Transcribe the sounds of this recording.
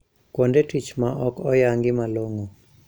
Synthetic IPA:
kondetit͡ʃmaʔɔkɔjaŋɡɪmaloŋo

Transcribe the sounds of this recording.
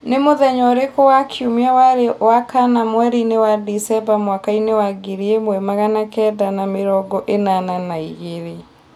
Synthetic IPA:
nemoðɛɲɔɾekowakʰiomiawaɾewakanamwɛɾinewadisɛbamwakainewaɡeɾiemwɛmaɣanakɛdanameɾɔɡɔʔenananaiɣeɾe

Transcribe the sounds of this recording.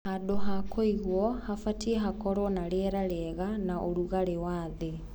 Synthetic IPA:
hadoɦakʰoiɣwɔhafatiɛɦakɔɾɔnaɾeɛɾaɾɛɛɣanaʔoɾuɣaɾewaðe

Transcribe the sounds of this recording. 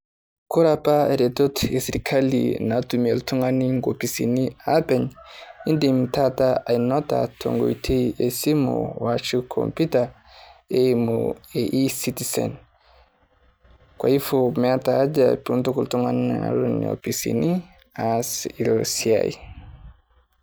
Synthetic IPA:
kuɾapaeɾɛtɔtesiɾikʰalḭnatumieltuŋaniŋɡopisiniapɛɲindimtataʔajnɔta̰tʰo̰ŋɡo̰jtʰiesimṵwat͡ʃukʰɔ̰mpita | emṵeʔisitisɛ̰n | kwa̰ifomɛatad͡ʒapuntukultuŋana̰ɾunḭo̰pisḭni | asiɾɔsia̰j

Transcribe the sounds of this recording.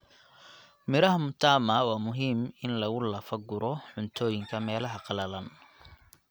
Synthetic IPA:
mɪɾɐɦɐmʊt̪ʰaːmɐwɑːmʊɦiːmɪnlɐɣʊlɐfɐɡʊɾɔħʊnt̪ʰɔːjɪŋkʰɐmɛːlɐɦɐqɑlɐlɐn

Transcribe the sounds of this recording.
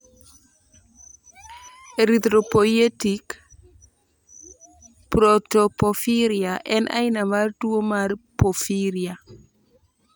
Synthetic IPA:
eɾit̪ɾopojetik | pɾotopofiɾjaʔɛnʔa̰jnamaɾduomaɾpofiɾja

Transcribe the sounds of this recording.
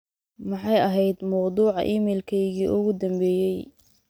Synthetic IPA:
mɑħɑjɐɦɛjd̪mɐwd̪uːʕɑ̰ʔiːmɛːlkʰɛjɣiːʔʊɣʊd̪ɐmbɛːjɛj

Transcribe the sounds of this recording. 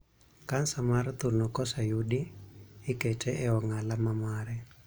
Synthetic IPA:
kansamart̪unɔkɔsajuɗiː | ketʰɛʔɛɔŋalamamaɾɛ

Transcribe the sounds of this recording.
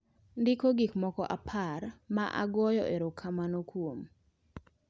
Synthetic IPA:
ndɪkoɡikmɔkɔʔapʰarmaʔa̰ɡɔjɔ̰ʔeɾokʰamanokwom

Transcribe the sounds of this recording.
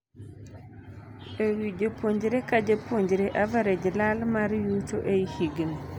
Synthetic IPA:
ewid͡ʒopwoɲd͡ʒɾekad͡ʒopwoɲd͡ʒɾeʔavaɾed͡ʒlalmaɾjut̪oʔeihiɡn

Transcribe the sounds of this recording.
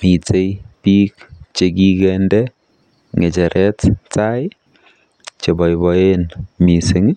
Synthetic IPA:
mit͡sejpikt͡ʃekikɛndɛ | ŋɛt͡ʃɛɾʔɛttaɪ | t͡ʃebɔjbɔenmisɪŋ

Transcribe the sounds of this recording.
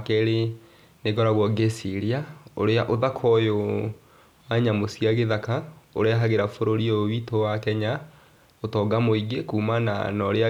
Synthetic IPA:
kɛɾe | neɣɔɾaɣwɔɡesiɾiao̰ɾeaʔoðakʰɔjo | aɲamosjiaɣeðakao̰ɾeaɦaɣeɾafoɾoɾiowitowakɛɲa | otɔɡamoiɡekuːmana̰nɔɾea

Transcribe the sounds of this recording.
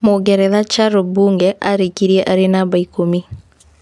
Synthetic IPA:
moɡɛɾɛðat͡ʃaɾobuːŋɡɛʔaɾekiɾiɛʔaɾenabaikomi

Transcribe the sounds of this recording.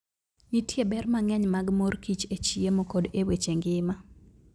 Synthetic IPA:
itjebɛrmaŋɛɲmaɡmorkit͡ʃet͡ʃiemokodewet͡ʃeŋɡɪma

